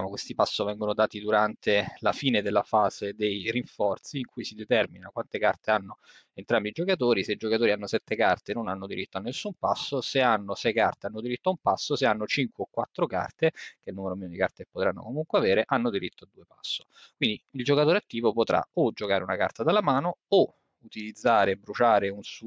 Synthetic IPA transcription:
amokwest̪ipasːovɛŋɡonod̪aːt̪id̪uɾant̪ʰelafiːned̪elːafaːzed̪ejriɱfɔrt̪siːŋkʰujsid̪et̪ɛrminakwant̪ekart̪eanːo | ent̪ɾambid͡ʒokat̪̬oːɾiseid͡ʒokat̪oːɾianːosɛt̪ːekart̪enonanːod̪iɾit̪ːoanːesːumpasːoseanːosɛjkart̪eanːod̪iɾit̪ːoaumpasːoseanːot͡ʃiŋkweokːwat̪ːɾoka̰rt̪ek̟elnuːmeɾomiːnod̪ika̰rt̪epot̪ɾanːo̰komuŋkweaveːɾeʔanːod̪iɾit̪ːoad̪ːuːepasːo̥ | kwind̪iild͡ʒokat̪oːɾeat̪ːiːvopot̪ɾa̰od͡ʒokaːɾeunaka̰rt̪ad̪elːamaːnoo | ut̪ilid̪zːaːɾebɾut͡ʃaːɾeunsu

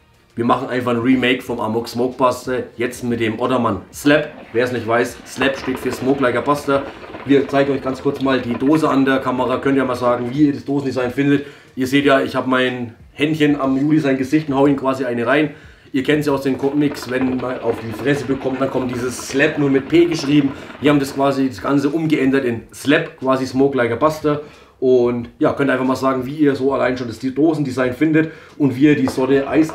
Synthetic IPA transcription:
viːɐmaχn̩ʔa̰ɪnfaχnʁiːmeɪkfɔmʔa̰ːmʊksmoʊk̚b̥astɐjɛt͡stmɪt̚d̥eːmʔɔdɐmanslɛpveːɐɛsnɪçtv̥aɪsslɛpʃteːtfyːɐsmoːklaɪɡɐb̥astɐviːɐt͡saɪɡŋ̩ɔʏçɡ̥ant͡skʰʊɐt͡smaːldiːdoːzəa̰ndeːɐkʰamɐʁaːkʰœntjaːmaːlzaːɡŋ̩viːɐdasd̥oːsn̩dizaɪnfɪndət | ʔiːɐzeːtjaːɪçhaːbəmaɪn | hɛntçənamjuːlizaɪnɡəzɪçtʊnthaʊəiːnkv̥aːziʔaɪnəʁaɪn | ʔiːɐkʰɛntz̥iːaʊsd̥eːnkʰɔmɪksvɛnmana̰ʊfd̥iːfʁ̥ɛsəbəkʰɔmtd̥ankʰɔmtd̥iːzəsːlɛpnuːɐmɪt̚pʰeːɡəʃʁ̥iːbm̩viːhaːbmndaskv̥aːzidasɡ̥ant͡səʔʊmɡəʔɛndɐtɪnslɛpkʰv̥aːzismoʊklaɪɡɐbastɐ | ʔʊntjaːkʰœntʔaɪnfaχmaːlzaːɡŋ̩viːiːɐzoːalaɪnʃoːndasdoːzn̩dizaɪnfɪndət | ʔʊntv̥iːiːɐdiːzɔnəʔa̰ɪs

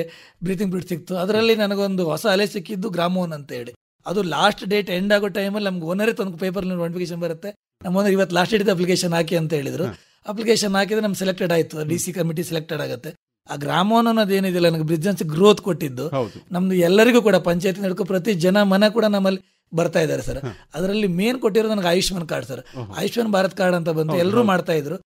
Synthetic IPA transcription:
bɾiːt̪̬iŋbɾiʈsik̚t̪uɐd̪ɐɾɐlːinɐnɐɡeo̞nd̪uɦɔsɐːlesikːid̪ːuɡɾaːmɐʋɐnɐnt̪ɐɦe̞ːɭi | ɐd̪ulaːsʈɖe̞ːʈe̞ɳɖaːɡoʈːɐjmɐlːinɐmɐɡeonːɐɾet̪od̪ukpe̞ːp̬ɐɾliʋɐːɽipʰikeːʃ̬ɐnbɐɾut̪ːe̞ | nɐmːɡondɐɾiʋɐt̪ːlaːsʈɖeːʈid̪ɐp̬likeːʃɐnaːk̬iɐnt̪ɐɦe̞ːɭid̪ɐɾu | ɐp̬likeːʃɐnaːk̬id̪enɐmɡsɛlek̚ʈeɖaːjit̪ːuɐɖiːsikɐmiʈ̬isɛlek̚ʈeɖaːɡut̪ːe̞ | aːɡɾaːmɐnɐnːɐd̪e̞ːnuid̪ɐlɐnɐmɐɡebɾid͡ʒɐnsɡɾo̞ːt̪koʈːid̪ːud̪nɐmd̪uɛlːɐɾiɡuːkuːɽɐpɐɲt͡ʃaːjt̪inɐɽkupɾɐt̪id͡ʒɐnɐmɐnekuːɽɐnɐmːɐlːi | bɐɾt̪aːjd̪aːɾesɐɾɐd̪ɐɾɐlːime̞ːnkoʈːid̪ɾod̪nɐmɐɡaːjuʂmɐnkaːɾɖsɐɾa̰ːjuʂmɐnbʱaːɾɐt̪ɐkaːɾɖɐnt̪̬ɐbɐnd̪uɛlːɐɾuːmaːɖt̪aːjid̪ɾu

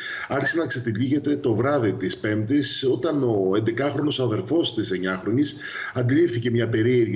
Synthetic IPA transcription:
ɐɾçisenɐkset̪iʎiʝe̞t̪e̞t̪o̞vɾɐðit̪ispe̞mt̪iso̞t̪ɐno̞e̞nd̪e̞kɐxɾo̞no̞sɐðe̞ɾfo̞st̪ise̞ɲɐxɾo̞nis | ɐnd̪ilifθice̞mɲɐpe̞ɾieɾʝ

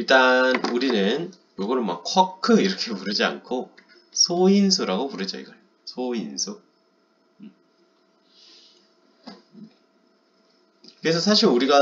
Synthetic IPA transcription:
iɭt͈anuɾinɯn | joɡʌɾɯma̰kʰwakʰɯiɾʌkʰe̞puɾɯd͡ʑia̰nkʰo | sʰoinsʰuɾaɡopuɾɯd͡ʑʌ̰ḭɡʌ | sʰoinsʰu | kɯɾes̬ʰʌsʰaɕʰiɾuɾiɡa

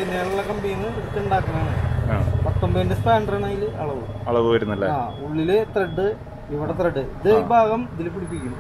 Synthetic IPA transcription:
pinːeɐɭuɭːɐkɐmbiːnːɐisitːuɳɖaːkːɐnɐː | pɐt̪ːombɐɐndespaːɳɖɐrɐnaːjilɐ̰ɭɐʋuɐɭɐʋuʋɐɾunːɐlːɐaːuɭːilet̪rɐɖːɨ | iʋiɽet̪rɐɖːɨiðɨbʱaːɣɐmd̪ilipːiɽipːikʲːunː

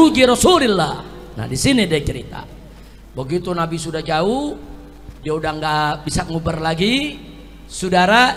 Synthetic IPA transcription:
ud͡ʒiɾɔsulilːa | na̰disinidiat͡ʃɛɾḭt̪a̰ | bəɡit̪unabisudad͡ʒau | diaudaŋɡabisaʔŋubərlaɡi | sudaɾa

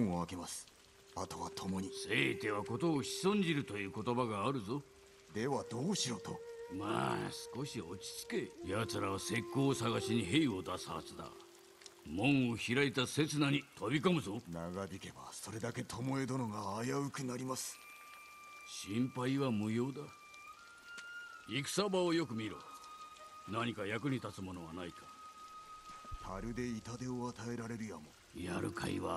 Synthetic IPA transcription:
oake̞masɨ̥ | at̪o̞βat̪ʰo̞mo̞ɲ̟ise̞t̪e̞βako̞t̪o̞ːɕi̥sõɲ̟d͡ʑiɾɯ̟t̪o̞jɯ̟ːko̞t̪o̞baɡaːɾɯ̟zo̞ | d̪e̞βad̪o̞ːɕiɾo̞t̪oma̰ːsɨ̥ko̞ɕio̞t͡ɕi̥t͡sɨ̥ke̞jat͡sɨɾaβase̞kːo̞ːsaɡaɕiɲ̟iɦe̞io̞d̪asɨa̰t͡sɨd̪a̰ | mõ̞ɰ̃oçiɾait̪ase̞t͡sɨnaɲ̟it̪ʰo̞bʲiko̞mɯ̟zo̞naɡabʲike̞ba̰so̞ɾe̞d̪ake̞t̪ʰo̞mo̞e̞d̪o̞no̞ɡaːjaɯ̟kɯ̟naɾʲimasɨ̥ | ɕĩmpaiβamɯ̟jo̞ːd̪a | ikɯ̟̥sabaojo̞kɯ̟mʲiɾo̰ | naɲ̟ikajakɯ̟ɲ̟it̪at͡sɨmo̞no̞β̞anaikʰa | t̪ʰaɾɯ̟d̪e̞it̪ad̪e̞oat̪ae̞ɾaɾe̞ɾɯjamo̞ | ja̰ɾɯ̰kʰa̰ḭβa

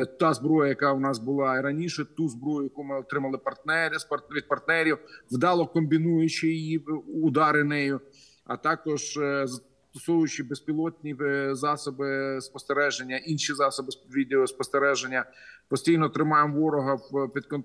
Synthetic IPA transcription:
t̪ɑzbɾɔjɐjɐkɑwnɑsbʊlˠɑɾɐnʲiʃɛt̪uzbɾɔjʊjɐkumɪɔt̪ɾɪmɐlˠɪpɐrt̪nɛɾʲɪspɐʋʲid̪̚pɐrt̪nɛɾʲiwʋd̪ɑlˠɔkɔmbʲinujʊt͡ʃɪjijiʊd̪ɑɾɪnɛjʊ | ɐ̰t̪ɑkɔʒzɐ | t̪ɔsɔwjʊt͡ʃɪbespʲilˠɔt̚ʲnʲizɑsɔbɪspɔst̪eɾɛʒenʲːɐinʃizɑsɔbɪʋʲid̪eɔspɔst̪eɾɛʒenʲːɐpɔsʲtʲijnɔt̪ɾɪmɑjemʋɔɾɔɦɐwpʲid̪̚kɔn

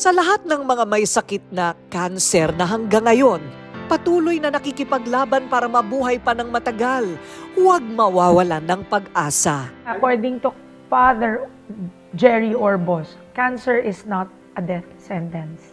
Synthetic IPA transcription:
sɐlɐɦat̪̚nɐŋmɐŋamɐjsɐkɪt̪̚nɐkansɛɾnɐɦɐŋɡaŋːɐjo̞n | pɐt̪uːlojnɐnɐkikɪpɐɡlaːbɐnpaːɾɐmɐbuːɦɐjpɐnɐŋmɐt̪ɐɡalwɐɡ̚mɐwaːwɐlanɐŋpɐɡʔaːsɐʔɐkɔɹd̪ɪŋt̪ʊ | faðɛɹ | d͡ʒɛɹiʔoɹbos | kansɛɹʔɪsnɐt̪̚ʔɐd̪ɛθsɛnt̪ɛns

